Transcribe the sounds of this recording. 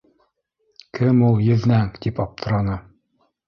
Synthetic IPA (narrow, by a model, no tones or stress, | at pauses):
kʰɘmulˠjɘ̆ðnæŋt̪ipɒp̚t̪ʰɤ̆ɾɑnɤ